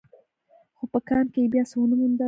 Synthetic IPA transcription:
xopəkɑmkeebjɑsəwənəmənd̪a

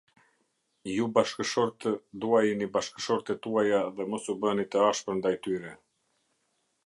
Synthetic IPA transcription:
jubaʃkəʃɔɾt̪əd̪uajinibaʃkə̥ʃɔɾt̪ɛt̪uajaðɛmɔsubənit̪əaʃpəɾnd̪ajt̪yɾɛ

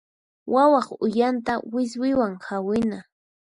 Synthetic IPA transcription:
wawɑχʊjant̪awɪswɪwaŋhawɪna

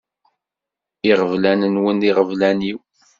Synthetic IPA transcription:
iʁəvlænənwəniʁəvlæniw

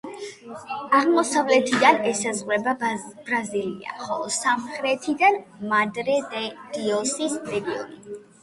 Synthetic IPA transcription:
aʁmɔsavlɛt̪ʰid̪anɛsazʁwɾɛbab̥ɾazilia̰χɔlˠɔsamχɾɛt̪ʰid̪anmad̪ɾɛd̪d̪̥iɔsisɾɛɡiɔ̰ni

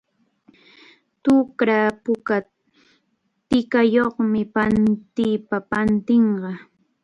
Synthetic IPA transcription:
t̪ʊkɾapʊka | t̪ɪkajoχmɪpant̪ɪpapant̪ɪɴɢɑ

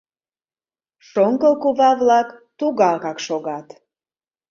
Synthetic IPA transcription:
ʃoŋkəlkuβɑvlɑkt̪uɣɑkɑkʃoɣɑt̪

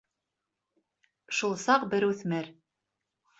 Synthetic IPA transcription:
ʃulˠsɑqbɘɾʉθmɘɾ

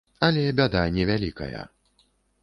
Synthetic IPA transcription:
ɐlʲɛbʲad̪anʲɛvʲalʲikɐ̰jɐ̰

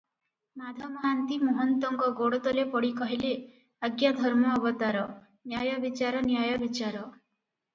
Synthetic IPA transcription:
mad̪ʱɔmɔɦant̪imɔɦɔnt̪ɔŋɡɔɡoɽɔt̪ɔlepɔɽikɔɦile | aɡjad̪ʱɔɾmɔːbɔt̪aɾɔ | njajɔbit͡ʃaɾɔnjajɔbit͡ʃaɾɔ

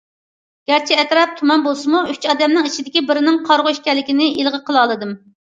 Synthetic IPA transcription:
ɡ̥ʲæɾt͡ʃʰiɛt̪ɾɑp̚t̪ʰumɑnbolˠsɨmuyt͡ʃʰɑːd̪ɛmnɪŋit͡ʃʰid̪ɪkʲibɪɾɪnɪŋqʰɑɾʁʊiʃkʲɛlːɪkʲinɪʔilˠʁəqʰəlˠɑːlˠɨd̪ɨm

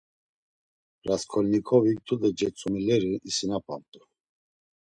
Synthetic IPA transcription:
ɾaskʰɔlnikʰɔvik̚t̪ʰud̪ɛd͡ʒɛt͡sʼumilɛɾiisinapʰʼa̰nt̪ʼu

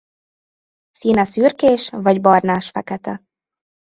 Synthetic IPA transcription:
siːnɒsyːrkeːʃvɒɟbɒrnaːʃfɛkɛt̪ɛ

